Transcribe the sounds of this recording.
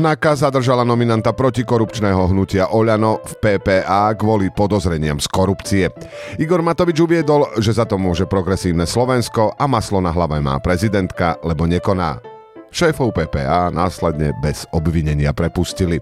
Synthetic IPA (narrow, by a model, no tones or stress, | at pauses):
nakazad̪r̩ʒalanɔminant̪apɾɔcikɔɾupt͡ʃnɛːɦɔɦnucɪaʔɔʎanɔfpɛːpɛːʔaːɡʋɔlipɔd̪ɔzɾɛɲɪamskɔɾupt͡siɛiɡɔɾmat̪ɔʋid͡ʒuʋɪɛd̪ɔlʒɛzat̪ɔmʊɔʒɛpɾɔɡɾɛsiːʊnɛslɔʋɛnskɔʔamaslɔnaɦlaʋɛma̰ːpɾɛzid̪ɛnt̪kalɛbɔɲɛkɔna̰ː | ʃɛːfɔʊpɛːpɛ̰ːaːnaːslɛd̪ɲɛ̰bɛz̥ɔbʋiɲɛɲɪapɾɛpuscili